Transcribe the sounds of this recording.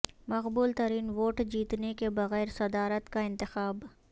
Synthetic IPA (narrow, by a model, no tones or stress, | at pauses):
mɐqbuːlt̪ɐɾiːnʋoːʈd͡ʒiːt̪nekebɐɣɛːɾsɐd̪aːɾət̪kaɪ̃nt̪ɪxaːb